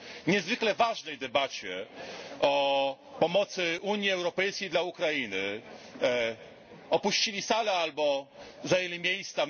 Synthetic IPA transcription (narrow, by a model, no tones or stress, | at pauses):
ɲɛzvɘklɛvaʐnɛjd̪ɛbat͡ɕɛʔɔ | pɔmɔt̪sɘʔuɲjiɛwɾɔpɛjskʲejd̪laukɾajinɘ | ɔpuɕt͡ɕilʲisalɛalbɔzajelʲimʲjejst̪sa